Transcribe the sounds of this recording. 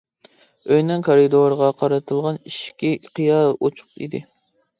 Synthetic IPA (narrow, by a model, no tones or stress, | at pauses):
øjnɛŋkʰoɾid̪oɾʁɑqʰɑɾɨt̪ʰɨlˠʁɑniʃkʲiqʰijɑʔot͡ʃʰʊ̥qḭd̪ɪ